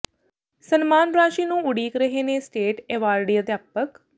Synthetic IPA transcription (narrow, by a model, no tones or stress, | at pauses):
sənmaːnɾaːʃiːnũːʊɽiːkɾəɦeːnẽːsʈeːʈeːʋaːɾɖiːəd̪jaːpək